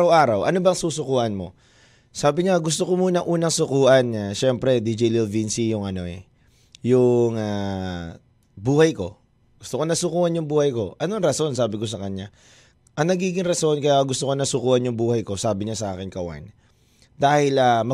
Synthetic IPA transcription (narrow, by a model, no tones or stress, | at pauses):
ɐwʔaːɾɐwʔɐ̰nobɐŋsuːsʊkuːʔɐnmo̞̰ | saːbɪɲaɡʊst̪okomuːnɐŋʔuːnɐŋsʊkuːʔɐnaʃɛmpɾɛd̪id͡ʒilɪlvinsijʊŋʔɐno̞ɛ̰ | jʊŋa | buːhɐjko̞ | ɡ̥ʊst̪okonɐsʊkuːʔɐnjʊŋbuːhɐjko̞ʔɐnoɐŋɾɐso̞nsaːbɪko̞sɐkɐɲːa | ʔɐŋnɐɡiːɡɪŋɾɐso̞nkɐjaɡʊst̪okonɐsʊkuːʔɐnjʊŋbuːhɐjko̞saːbɪɲasɐʔa̰ːkɪnkɐwa̰n | d̪aːhɪlamɐ